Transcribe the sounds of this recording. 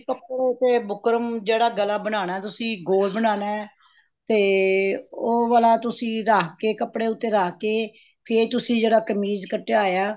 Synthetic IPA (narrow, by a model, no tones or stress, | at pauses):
kəpɽeʊt̪ːeːbʊkɾəmd͡ʒeːɽaːɡəlːaːbənaːnaːɛːt̪ʊsĩːɡoːlbənaːnaːɛ | t̪eː | oːʋaːlaːt̪ʊsĩːɾaːkʰkeːkəpɽeːʊt̪ːeːɾaːkkeː | pʰɪɾt̪ʊsĩːd͡ʒeːɽaːkəmiːzkəʈːeaːjaː